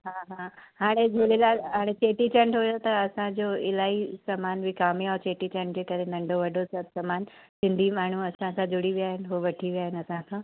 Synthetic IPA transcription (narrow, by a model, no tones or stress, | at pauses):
ɦaːɦaːɦaːɽ̃ed͡ʑʱoɽelaːlɦaːɽ̃et͡ɕeːʈit͡ɕə̃ɳɖɦʊjot̪ɐɐsãd͡ʑoɪlaːisamaːnbʱɪkaːmiat͡ɕeːʈit͡ɕɐ̃ɳʈ̚d͡ʑeːkɐɾenɐ̃ɳɖʱoʋɐɖʱosɐbsɐmaːnsɪ̃nd̪ʱimaːɳ̤uɐsãkãd͡ʑʊɽiʋijaːɦɪnɪ̆ɦoʋɐʈʰiʋijaːɦɪnɐsãkʰãː